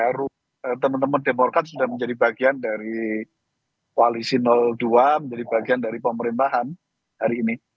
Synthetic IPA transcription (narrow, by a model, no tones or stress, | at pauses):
aɾʊ | ət̪əmənt̪əmʊndemɔrkat̪̚sudahməɲd͡ʒadibaɡiandaɾi | kwalisinɔlduaməɲd͡ʒadibaɡiandaɾipəməɾint̪aɦan | haɾiːni